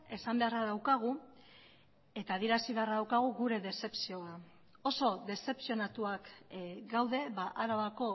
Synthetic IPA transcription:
e̞sambe̞araðawkaɣ̞u | e̞t̪aːðieɾasiβe̞araðawkaɣ̞uɣuɾe̞ðe̞se̞psio̞a | o̞so̞ðe̞se̞psio̞nat̪uakɡawðe̞βaʔaɾaβako̞

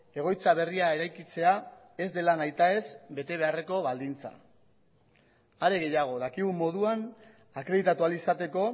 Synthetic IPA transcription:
e̞ɣ̞o̞jt͡saβ̞e̞riae̞ɾajkit͡se̞a | e̞zd̪e̞lanajt̪ae̞zbe̞t̪e̞β̞e̞are̞ko̞βald̪int͡sa̰ | aɾe̞ɣ̞e̞jaɣ̞o̞ðakiɣumːo̞ðuan | akɾe̞ðit̪at̪ualisat̪e̞ko̞

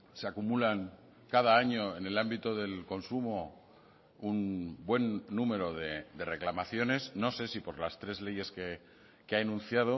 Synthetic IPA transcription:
seakumulaŋ | kað̞aaɲo̞e̞ne̞lambit̪oðe̞lko̞nsumo | unbwe̞nːume̞ɾo̞ðed̪e̞re̞klamaθjo̞ne̞sno̞se̞sipo̞ɾlast̪ɾe̞zle̞je̞ske | keaenũn̟θjað̞o̞

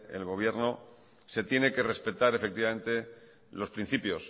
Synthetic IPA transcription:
ḛlɣo̞β̞je̞ɾno̞ | se̞t̪je̞ne̞ke̞re̞spe̞t̪aɾe̞fek̚t̪iβame̞nt̪e̞ | lo̞spɾin̟θipjo̞s

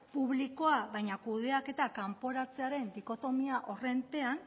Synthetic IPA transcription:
puβ̞liko̞aβajɲakuð̞e̞ake̞t̪akampo̞ɾat͡se̞aɾe̞nd̪iko̞t̪o̞miaʔo̞re̞nt̪e̞an

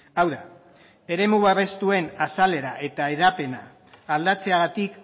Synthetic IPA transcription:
awða | e̞ɾe̞muβaβe̞st̪ue̞nasale̞ɾaʔe̞t̪aeðape̞na̰ː | ld̪at͡se̞aɣ̞at̪ik

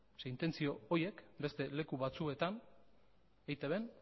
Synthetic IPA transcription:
sent̪e̞nt͡sio̞oje̞kbe̞st̪e̞le̞kuβat͡sue̞t̪an | ejt̪eβe̞n

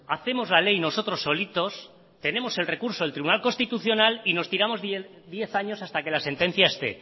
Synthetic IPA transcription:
aθe̞mo̞zlalejno̞so̞t̪ɾo̞sːo̞lit̪o̞s | t̪e̞nẽ̞mo̞se̞lre̞kuɾsolt̪ɾiβunalko̞nst̪it̪uθjo̞nalino̞st̪iɾamo̞z | d̪je̞θaɲo̞sast̪ake̞lase̞nt̪e̞n̟θjaest̪e̞̰

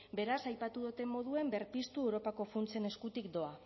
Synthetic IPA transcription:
be̞ɾasajpat̪uðut̪e̞mo̞ð̞ue̞mbe̞ɾpist̪uewɾo̞pako̞funt͡se̞ne̞skut̪ikd̪o̞a

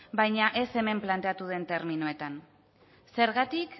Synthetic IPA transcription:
bajɲaʔe̞se̞me̞mplant̪e̞at̪uðe̞nt̪e̞ɾminoe̞t̪an | se̞ɾɣat̪ik

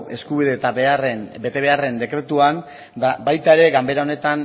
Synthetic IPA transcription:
e̞skuβ̞iðe̞ːt̪aβearenbe̞t̪e̞e̞are̞nd̪e̞kɾe̞t̪uan | dabajt̪ae̞ɾe̞ɣambe̞ɾao̞ne̞t̪an

